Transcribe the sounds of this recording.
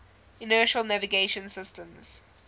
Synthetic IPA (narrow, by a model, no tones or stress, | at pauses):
ɪnɜːˑʃəlˠnæviɡeɪʃə̃nsɪstə̃mz̥